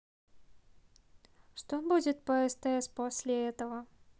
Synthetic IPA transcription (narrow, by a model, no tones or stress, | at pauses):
ʂt̪obud͡zʲɪt̪̚pəɛst̪ɐɛsʲposʲlʲɪɛt̪əvə